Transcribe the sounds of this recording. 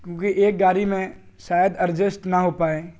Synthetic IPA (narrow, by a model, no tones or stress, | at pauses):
kjõːkiʔeːk̚ɡaːɾimẽ | ʃaːjəd̪ɐɾd͡ʒəsʈnɐɦoːpaːeː